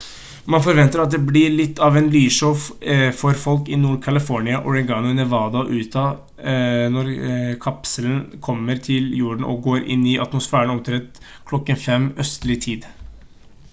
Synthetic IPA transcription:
mɑnfɔɾʋɛnt̪əɾɑt̪̚d̪ɛblɪɭɪt̪ːɑʋɛnlyːʂɔffɔɾfɔlkɪnuːɾkʰɑlɪfɔɾɳɪɑʔɔd̪ɛnɡɑŋnnɛʋɑːd̪ɑʔʉːt̪ʰɑ | nɔɾkʰɑpsələnkʰɔmːəɾt̪ʰɪljuːɖɳ̩ʔɔ̰ɡoːɾɪ̰nɪʔɑt̪mʊsfæːɾəɳɔmt̪ʰɾɛt̪ː | kʰlɔkːənfɛmœst̪əlɪt̪ʰiːd̪

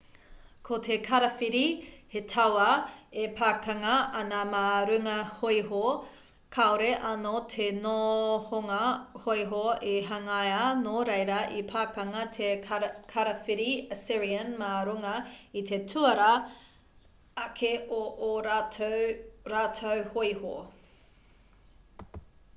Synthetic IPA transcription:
kʰotʰekʰɐɾɐfiɾihetʰawɐepʰaːkɐŋɐʔɐnɐmaːɾʉŋɐhojɦo | kʰaoɾeʔɐnotʰenohoŋɐhojɦoeɦɐŋajanoɾejɾɐʔipʰaːkɐŋɐtʰekʰɐɾɐfiɾiəsɪɾiɐnmaːɾuŋɐit̪ʰetʰuɐɾɐ | ɐkʰeoʔːɾa | ɾaːtʰowhojho̰

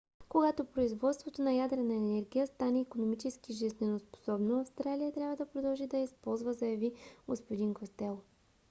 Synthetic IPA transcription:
koɡat̪opɾoizvɔt̪st̪vot̪onɐjad̪ɾɛnɐɛnɛɾɡʲijəst̪anɛikonomit͡ʃɛskiʒiznɛnospo̥sɔbnoɐfst̪ɾalijət̪ɾʲavəd̪ɐpɾod̪ɐlˠʒid̪ɐjispɔlˠzvəzɐjɐviɡospod̪inkost̪ɛlˠ

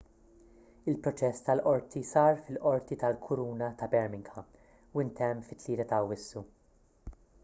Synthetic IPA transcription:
ɪlpɾɔt͡ʃɛst̪ɐlʔɔɾt̪isɐːɾfɪlʔɔɾt̪it̪ɐlkʰʊɾuːnɐt̪ɐbɛɾmɪŋɡhɐ | uɪnt̪ɛmːfɪt̪ːliːɾɐt̪ɐwːɪsːu

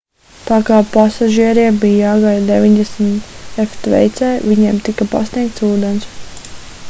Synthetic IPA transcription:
t̪aːkaːpasaʒiɛɾiɛbiːjaːɡajd̪evʲiɲʲd̪ɛsmt̪ɛft̪vɛ̰jt̪sɛːvʲiɲɛmt̪ikapa̰snʲiɛk̚t̪suːd̪ens

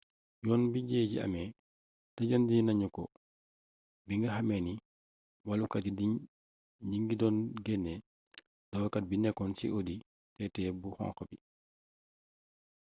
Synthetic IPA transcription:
jɔːnbiɟɛːɟḭɐ̰mɛ | tɐɟandinɐɲukɔ | biŋɡɐhɐmɛni | walukɐtidi | ɲiŋɡidɔːnɡɛnːɛ | d̥ɔwkɐt̚binɛkːɔnsḭʔodi | tɛtɛbuhɔ̰̃ŋkɔbi

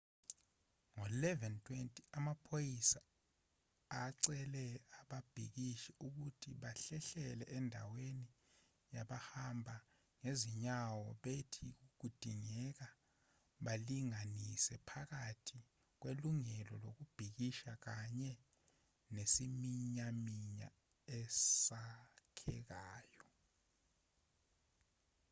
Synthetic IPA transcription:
ŋɔlɛvɛntʰwentʼiamapʰojisa | ǀɛlɛaɓab̥ʱḭk̬iʃɛuk̬utʰiɓaɬɛɬɛlɛʔɛndʱa̰weni | jaɓahambʱa | ŋeziɲawɔɓetʰik̬uk̬ud̥ʱiŋɛk̬a | ɓaliŋanisɛpʰak̬atʰi | k̬weluŋɛlɔlok̬ub̥ʱik̬iʃak̬aɲɛ | nesimiɲamiɲa | ɛsakʰɛ̰k̬aːjɔ

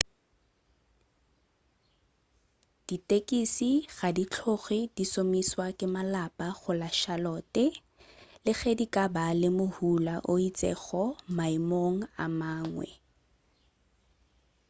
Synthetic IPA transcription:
d̥itʼekʼisiɣadit͡ɬʰoɣidisomiswakʼɪmalapʼaɣʊlaʃalɔːtɛ | lɪɣedikʼabalɪmʊhulaʔoit͡sʼɛ̰ɣɔmaimoŋ̩a̰maːŋwɛ̰

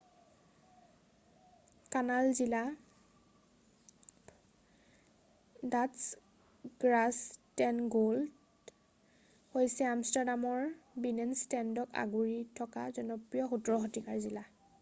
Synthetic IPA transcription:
kanalzila | dats | ɡ̥ɹastɛnɡold | hojsɛamstaɹdamɔɹbinɛnstɛndɔka̰ɡuɹitʰɔkazɔnɔpɹijɔxutɔɹɔxɔtikaɹzila

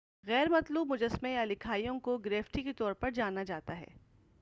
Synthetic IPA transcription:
ɣɛːɾmɐt̪luːbmʊd͡ʒəsmẽjalɪkʰaːijõkoɡɾeːfʈiket̪ɔːɾpɐɾd͡ʒaːnːad͡ʒaːt̪aɦɛ̰ː

